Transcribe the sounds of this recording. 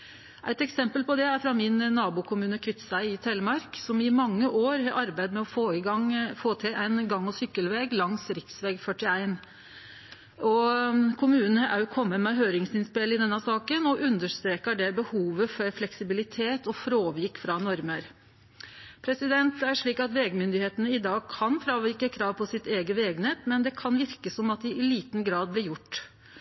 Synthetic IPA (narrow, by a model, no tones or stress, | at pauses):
ʔæɪt̪ɛksɛmpəlpɔd̪ɛæɾfɾɑmɪnːɑːbʊkʰʊmʉːnəkʰʋɪt̪sʋæɪɪt̪ʰɛlmɑɾksɔmɪmɑŋːəʔoːɾhɑʔɑɾbæɪd̪mɛɔfoːɪɡɑŋfoːt̪ʰɪlæɪnɡɑŋːɔsʏkːəlʋeːɡlɑŋsɾɪksʋɛːɡfœʈɪæɪn | ɔkʰʊmʉːnənəʔæɪkʰɔmːəmɛɦøːɾɪŋsɪnspɪlːɪd̪ɛnːəsɑːkənɔʔʉnd̪əʂt̪ɾeːkəɖɛbəhuːʋəfɔɾflɛksɪbɪlɪt̪ʰeːt̪ɔfɾoːʋɪɾkfɾɑnɔɾməɾ | pʰɾɛsɪd̪ɛnt̪æʂɭiːkɑt̪ʋeːɡmʏnd̪ɪheːt̪ənəɪd̪ɑːɡ̚kʰɑnfɾɑːʋɪɾkəkʰɾɑːʋpʰɔsɪt̪eːɡəʋeːɡnɛt̪mɛnd̪ɛkʰɑnʋɪɾkəsɔmɑt̪̚d̪ɪʔɪliːt̪nɡɾɑːd̪̚blɪɾjʊʈː